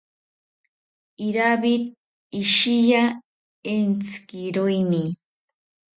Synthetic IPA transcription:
iɾaβit̪̚ | iʃija | ent͡sɨ̥kiɾoini

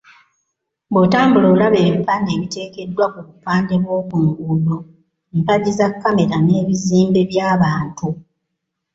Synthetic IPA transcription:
botaːmbuloːlaβeːβipːaneːβite̞ːke̞dːwakuβupaːnde̞βwo̞ːkuŋɡulo | mpaɟizakːame̞ɾane̞ːβiziːmbe̞βjaːβaːntu

